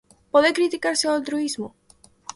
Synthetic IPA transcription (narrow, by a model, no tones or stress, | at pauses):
poðekɾit̪ikaɾsealt̪ɾuizmo